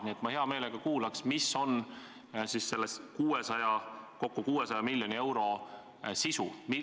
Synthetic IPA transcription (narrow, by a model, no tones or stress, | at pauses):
niet̪ˑmɑhe̞ɑme̞ːle̞ɡ̥ɑkuːlɑksmisːo̞n | sisse̞lːeskuːesɑjɑko̞kːukuːesɑjɑmilʲːjo̞nie̞wɾo̞ | sisumi